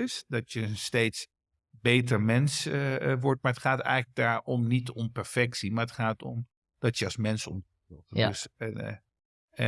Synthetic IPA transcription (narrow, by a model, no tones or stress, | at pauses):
ɪsdɔtjəənstejts | beːtəɹmɛnsʋɔɹt̚maɹətχaːtɛ̰jləɡ̚daːɹɔmnitɔmpɛɹfɛksimaɹətχaːtɔ̰m | d̥ɔtjəɑlˠsmɛnsɔ̰m | ɪts